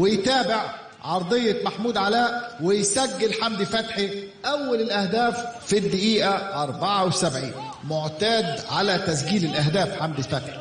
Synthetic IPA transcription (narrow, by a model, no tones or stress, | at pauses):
wɪjt̪æːbɪʕ | ʕɑɾˤd̪ˤɨjːɑmaħmuːd̪ʕalæːʔwɪjsæɡːɪlħamd̪ɪfæt̪ħiʔæwːalɪlʔæhd̪æːfːid̪ːɪʔiːʔæʔɑɾˤbɑʕɑwsabʕḭːn | moʕt̪æːd̪ʕalæt̪æs̬ɡiːlɪlʔæɦd̪æːfħamd̪ɪfæt̪ħi̥